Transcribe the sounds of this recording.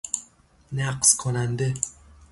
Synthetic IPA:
naqskʰonand̪ɪ

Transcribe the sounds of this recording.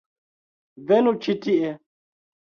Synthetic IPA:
vɛnũt͡ʃʰitiɛ

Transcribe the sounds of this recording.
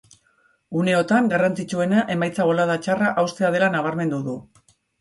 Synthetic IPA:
ɡune̞o̞t̪aŋɡarant͡sit͡ʃue̞naʔe̞majt͡saβo̞laðat͡ʃaraʔawst̪e̞að̞e̞lanaβ̞aɾme̞nd̪uðu

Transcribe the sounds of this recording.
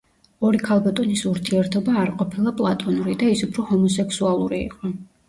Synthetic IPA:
ɔɾikʰalˠbat̪ʼɔnisuɾt̪ʰiɛɾt̪ʰɔbaːɾqʼɔpʰilˠapʼlˠat̪ʼɔnuɾid̪aisupʰɾɔhɔmɔsɛkʰsualˠuɾiḭqʼɔ

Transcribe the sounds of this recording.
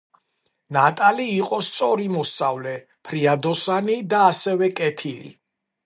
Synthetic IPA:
nat̪ʼaliːqʼɔst̪sʼɔɾimɔst̪sʼavlɛ | pʰɾiad̪ɔsanid̪aːsɛvɛkʼɛt̪ʰilḭ

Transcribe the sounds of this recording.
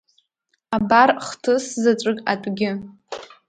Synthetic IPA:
abarχtʰɨszat͡ʃʷʼɨkʼa̰tʷʼɡʲɪ

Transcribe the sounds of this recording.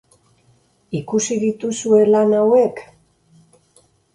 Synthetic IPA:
ikusiðit̪usue̞lanawe̞k

